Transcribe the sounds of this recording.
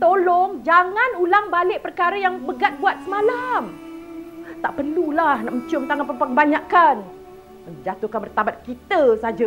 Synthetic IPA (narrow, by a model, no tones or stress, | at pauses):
t̪olɔŋd͡ʒaŋanulaŋbalɪʔpərkaɾəjaŋbəɡat̪̚buat̪̚səmalam | t̪aʔpərlulahnaʔməɲt͡ʃʊmt̪aŋanpəpabaɲakan | məɲd͡ʒat̪uhkanbərt̪abat̪̚kit̪əsad͡ʒa